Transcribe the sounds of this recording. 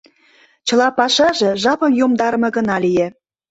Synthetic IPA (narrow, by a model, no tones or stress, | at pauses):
t͡ɕə̆lɑpɑʃɑʒĕʒɑpɤmjomd̪ɑɾəmɤ̆ɣə̆nɑlije